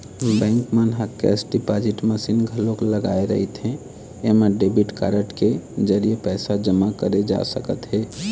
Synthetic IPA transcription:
bɛ̃ŋkmanɦakɛ̰sɖipad͡ʒiʈməsinɡʱəlokləɡaeɾə̰ɦit̪ɦẽ | emeɖebiʈka̰ɾəʈked͡ʒəɾijepɛɪsad͡ʒəmakəɾed͡ʒa̰səkət̪ɦɛ

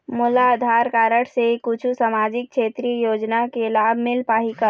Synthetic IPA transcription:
mʊlaəd̪ʱaːɾkaːɾəʈʰsekʊt͡ʃʰusamad͡ʒɪk̚kt͡ʃʰeːt̪ɾijoːd͡ʒnakelaːbʱmɪlpaːɦika

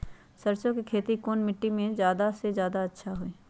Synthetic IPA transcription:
sɐɾt͡ʃõkikʰeːt̪ikoːnmɪʈːimẽzjaːd̪asezjaːd̪aɐtːʃʰaɦoeː

